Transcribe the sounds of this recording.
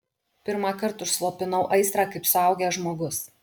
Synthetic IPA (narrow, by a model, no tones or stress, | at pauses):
pʲɪɾmɑkɐɾt̪ʊʃslˠoːpʲɪnɐʊʔɐɪst̪ɾɑːkɐɪpsʊɐʊɡʲɛːʒmoːɡʊs